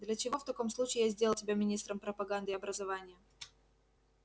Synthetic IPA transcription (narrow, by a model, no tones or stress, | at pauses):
d̪lʲɐt͡ɕɪvo̞ft̪ɐko̞mslˠut͡ɕɪːjazʲd̪ʲelˠəsʲɪbʲamʲɪnʲist̪ɾəmpɾəpɐɡand̪ɨɐbɾəzɐvanʲɪjə